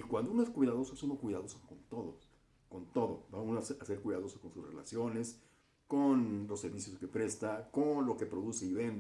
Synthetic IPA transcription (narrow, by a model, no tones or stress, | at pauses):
ikwand̪ounoe̞skwiðaðo̞soesunokwiðaðo̞sokont̪o̞ðo | ko̞nt̪o̞ðobaunoase̞ɾkwiðaðo̞soko̞nsusrḛla̰sjo̞ne̞s | konlo̞se̞ɾβisjoske̞pɾe̞st̪akonlo̞ke̞pɾo̞ðuse̞iβend̪